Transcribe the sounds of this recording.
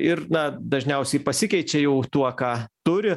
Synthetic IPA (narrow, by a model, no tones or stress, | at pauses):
ɪɾnɐd̪ɐʒʲnʲɛʊsʲɛɪpɐsʲɪkʲɛɪt͡ʃʲɛjɛʊt̪uɔkɑːt̪ʊɾʲɪ